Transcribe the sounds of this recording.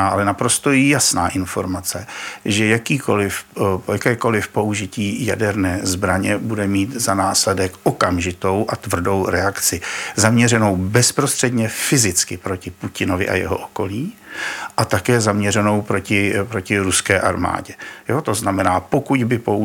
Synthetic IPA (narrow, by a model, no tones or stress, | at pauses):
aʔalɛnapɾo̞st̪o̞jasna̰ːʔɪnfo̞ɾmat͡sɛʒɛjakiːko̞lɪfjakɛːko̞lɪfpo̞uʒɪciːjadɛɾnɛːzbɾaɲɛbudɛmiːt̪zanaːslɛdɛkʔo̞kamʒɪt̪o̞wʔat̪vr̩do̞wɾɛakt͡sɪzamɲɛrɛno̞wbɛspɾo̞st̪r̥ɛdɲɛfɪzɪt͡skɪpɾo̞cɪpucɪno̞vɪ̰ʔa̰jɛ̰ɦo̰ʔoko̞liːʔat̪akɛːzamɲɛrɛno̞wpɾo̞cɪpɾo̞cɪɾuskɛːʔaɾma̰ːɟɛjot̪o̞znamɛnaːpo̞kuɟbɪpo̞u